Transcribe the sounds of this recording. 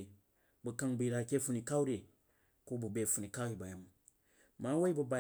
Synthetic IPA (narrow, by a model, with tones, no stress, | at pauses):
bu˨ka˦ŋbu˨ji˨ɾa˨ke˦fu˦ni˨ka˦u˦ɾe˨ | ko˦bu˨be˨fu˨ni˨ka˦u˦ɾi˨ba˨ja˨m | ma˨˦wa˦i˦bu˨ba˨